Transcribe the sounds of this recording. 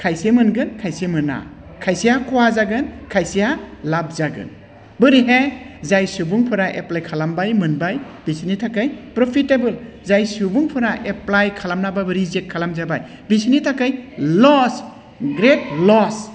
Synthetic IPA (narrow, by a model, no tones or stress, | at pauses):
kʰajsemɯnɡɯnkʰajsemɯna̰ | kʰajsijakuwazaɡɯnkʰajsijalab̚zaɡɯ̰n | bɯɾiɦezajsubuŋpʰɯɾaʔeplajkʰalambajmɯnbajb̥isinitʰakajpɾɔpʰitebɯl | zajsubuŋpʰɯɾaʔeplajkʰalamnababɯɾizekkʰːalamzabaj | bisinitʰakajlɔs | ɡɾet̚lɔs